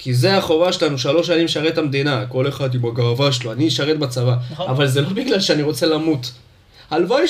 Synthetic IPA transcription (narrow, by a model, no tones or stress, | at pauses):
kizeaχo̞vaʃelanuʃalo̞ʃ̬animʃaʁet̪amd̪inako̞le̞χad̪imaɡaʁavaʃeloaniʃaʁet̪bat͡savaavalze̞lo̞biɡlalʃeaniʁo̞t͡se̞lamut̪ | alvaj